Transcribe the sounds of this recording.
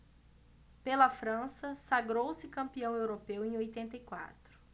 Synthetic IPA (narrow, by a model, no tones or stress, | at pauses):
pelɐfɾɐ̃sɐsaɡɾowsɪkɐ̃mpiɐ̃w̃ewɾopewẽj̃ojt̪ẽnt̪ɐjkwa̰t̪ɾʊ̥